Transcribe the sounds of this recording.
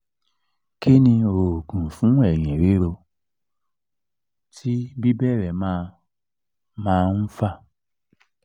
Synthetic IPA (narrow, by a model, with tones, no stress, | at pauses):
ke˦nĩ˧o˨ɡũ˨fũ˨˦ɛ˦˨j̃ĩ˨ɾe˨˦ɾo˧ | tʰi˦bi˦bɛ˦˨ɾɛ˨mã˦˧ | mãː˦˧n̩˦fa˦˨